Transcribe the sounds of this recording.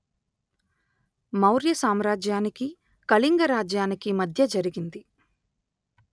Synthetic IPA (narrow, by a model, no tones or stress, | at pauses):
mɐwɾjɐsaːmɾaːd͡ʒjaːniki | kɐliŋɡɐɾaːd͡ʒjaːnikimɐd̪ʱjɐd͡ʒɐɾiɡind̪i